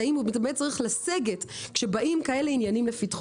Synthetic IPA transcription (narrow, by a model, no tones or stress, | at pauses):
aimubitamet͡saʁiχlaseɡetkʃe̞baʔimkaeleinjanimlefitχ